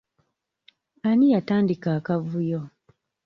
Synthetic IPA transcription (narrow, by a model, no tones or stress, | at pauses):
anijataːndikaːkavujo